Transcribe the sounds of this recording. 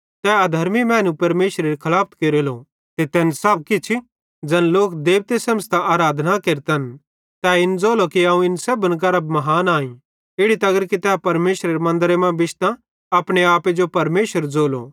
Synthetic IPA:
t̪ɛaːd̪ʱɐɾmimɛ̃ːnũpɐɾmeːʃɾeɾikʰɐlaːpʰt̪keːɾelo | t̪et̪ɛːnsɐb̚kit͡ʃʰi | d͡ʒɐnloːkd̪eːʋt̪esɐməst̪aʔaːɾaːd̪ʱnakeːɾt̪ɐn | t̪ɛɪnd͡zoːlokiɐũɪnsɐbənɡɐɾəbmɐɦaːnaːĩ | ɪɽit̪ɐɐɡəɾkit̪ɛpɐɾmeːʃɾeɾemɐ̃nd̪əɾemɛ̃bɪʃt̪ã | ɐpɽ̃eaːped͡ʒopɐɾmeːʃəɾd͡zoːlo̰

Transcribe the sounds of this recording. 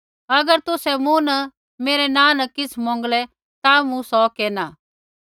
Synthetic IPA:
ɐɡəɾt̪ʊsɛmũnɐ | meːɾɛnãːnɐkɪsʰmɔ̃ːŋɡlɛ | t̪amũsɔkɛːnaː

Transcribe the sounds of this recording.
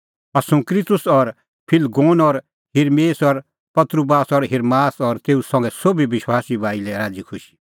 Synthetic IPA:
ɐsũkɾit̪ʊsɔɾ | pʰɪlɡoːnɔɾ | ɦɪɾmeːsɔɾ | pɐt̪ɾubaːsɔɾɦɪɾmaːsɔɾt̪eːusɐ̃ŋɡɛsobʱibɪʃwaːsibʱaːilɛɾaːd͡zikʰʊʃi̥

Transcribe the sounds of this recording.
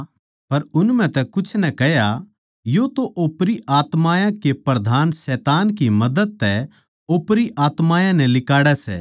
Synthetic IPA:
pɐɾʊnm̤ɛ̃t̪ɛkʊt͡ʃʰnɛkɛɦja | jot̪oʔoːpɾiʔaːt̪maːjãkepɾɐd̪ʱaːnsɛːt̪aːnkimɐd̪əd̪̚t̪ɛ | oːpɾiʔaːt̪maːjãnɛ̃lɪkaːɽɛsɛ̰ː

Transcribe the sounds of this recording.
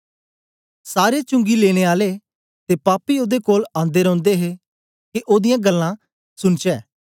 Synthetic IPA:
saːɾet͡ʃʊ̃ŋɡileːɽ̃eːaːle | t̪eːpaːpioːd̪ekoːlãːnd̪eːɾɔ̃ʊ̃nd̪eɦe | keʔoːd̪ɪjãɡəlːã | sʊnt͡ʃɛː

